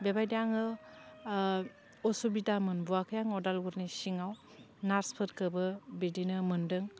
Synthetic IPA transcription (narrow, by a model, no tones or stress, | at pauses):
bebajdaŋɯ | ɔsubitamɯnbuakʰɯjaŋɔwdalɡuɾnisiŋaw | naɾspʰɯɾkɯbɯbedinɯmɯndɯŋ